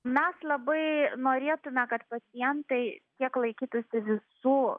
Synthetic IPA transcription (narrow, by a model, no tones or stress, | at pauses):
mʲɛslˠɐbɐɪnoːɾʲeːt̪ʊmʲɛkɐt̪pɐt͡s̪ʲɪjɛnt̪ɐɪkʲiɛklˠɐɪkʲiːt̪ʊsʲɪʋʲɪsuː